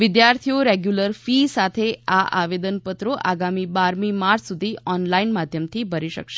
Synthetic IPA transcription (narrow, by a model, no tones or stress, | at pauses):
ʋɪd̪jaɾt̪ʰijoɾeɡjuləɾfisat̪ʰeaʔa̰ʋed̪ənpət̪ɾoʔa̰ɡamibaɾmimaɾsud̪ʱiɔnlainmad̪ʱjəmt̪ʰibʱəɾiʃə̰kʃe